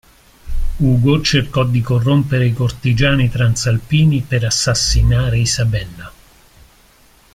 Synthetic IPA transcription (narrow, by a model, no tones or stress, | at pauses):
uːɡot͡ʃerkɔd̪ikorːompeɾeikort̪id͡ʒaːnit̪ɾant̪salpiːnipeɾasːasːinaːɾeisabɛnːa